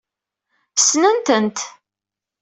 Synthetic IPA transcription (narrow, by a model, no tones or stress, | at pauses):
snənt̪ənt̪